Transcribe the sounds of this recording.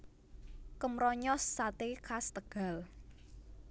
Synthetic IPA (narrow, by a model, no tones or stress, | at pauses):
kəmɾɔɲɔsːat̪ekʰast̪əɡ̥a̤l